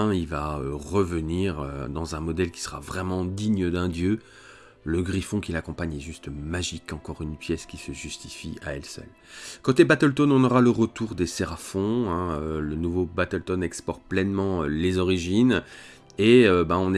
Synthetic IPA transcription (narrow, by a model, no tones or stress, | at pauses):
ilvaø̰ʁəvəniʁø̰d̪ɑ̃zɛ̃mɔd̪ɛlkʲi̥sə̥ʁa̰vʁɛmɑ̃d̪iɲd̪ɛ̃d̪jø | ləɡʁifɔ̃kʲilakɔ̃paɲɛʒyst̪maʒikɑ̃kɔʁynpjɛskʲisəʒyst̪i̥fia̰ɛ̰lsœ̰l | kɑ̃t̪ɛbat̪əlt̪ɔnɔ̃nɔʁaləʁət̪uʁd̪esɛʁafɔ̃ɛ̃ølənuvobat̪əlt̪ɔnɛkspɔʁplɛnmɑ̃ølezɔʁiʒin | eøbaɔ̃n